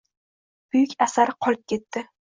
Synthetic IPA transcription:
b̥ʊjʏkʲasaɾɪqʰɒlˠɪp̚kʲʰe̞t̪ːɪ

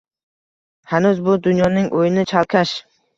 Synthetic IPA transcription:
hanʊzbʊd̪ʊnjɒnɪŋʔojɪnɪt͡ʃʰalˠkʲʰaʃ

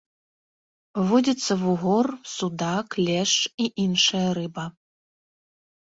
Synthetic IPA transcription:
vɔd͡zʲɐt̪sːɐvuɣɔrsud̪aklʲɛʂiʔinʂɐjɐɾɨbɐ

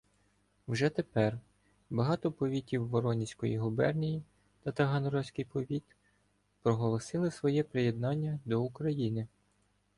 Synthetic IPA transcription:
wʒɛt̪epɛr | bɐɦɑt̪ɔpɔʋʲitʲiwːɔɾɔnʲisʲkɔjḭɦubɛrnʲiji | t̪ɐt̪ɐɦɐnɔɾɔwsʲkɪjpɔʋʲit̪ | pɾɔɦɔlˠɔsɪlˠɪsʋɔjɛpɾɪjed̪nɑnʲːɐd̪ɔukɾɐjinɪ

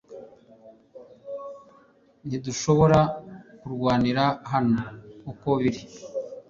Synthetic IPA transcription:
n̥iduʃo̞βo̞ɾakuɾɡwaːniɾaɦanoːkoβiɾi

